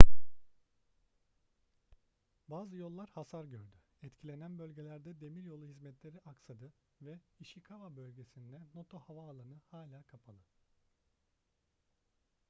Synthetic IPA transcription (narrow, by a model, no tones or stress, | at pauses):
baːzɯjo̞lˠːaɾhasaɾɟøɾd̪y | ɛt̪cʰilʲe̞nænbø̞lʲɟe̞lʲæɾd̪ɛd̪e̞miɾjo̞lˠuhizmɛt̪lʲe̞ɾiʔaksad̪ɯ | vɛiʃikʰavabølʲɟe̞sind̪ɛno̞t̪ʰo̞havaːlˠanɯhaːlʲaːkʰapʰalˠɯ